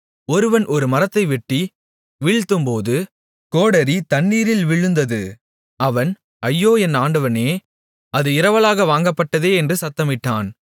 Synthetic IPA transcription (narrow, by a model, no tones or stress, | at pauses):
ɔɾɯʋɐnʔɔɾɯmɐɾɐt̪ːɐɪʋɪʈːi | ʋɪɭt̪ːɯmpoːðɯ | koːɽɐɾit̪ɐɳːiːɾɪlʋɪɻɯnd̪ɐðɯ | ɐʋɐn | ɐjːoːɛnaːɳɖɐʋɐneː | ʔɐðɯɪɾɐʋɐlaːɣɐʋaːŋɡɐpːɐʈːɐðeːɛndrɯsɐt̪ːɐmɪʈːaːn